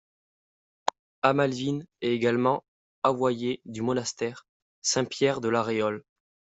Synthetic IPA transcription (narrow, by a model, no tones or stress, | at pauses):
amalvinɛt̪eɡalmɑ̃ | avwajed̪ymɔnast̪ɛʁ | sɛ̃pjɛʁd̪əlaʁeɔl